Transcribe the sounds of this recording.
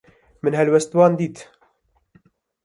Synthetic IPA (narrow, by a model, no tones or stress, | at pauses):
mɨnɦɛlwɛst̪wɑːnd̪iːt̪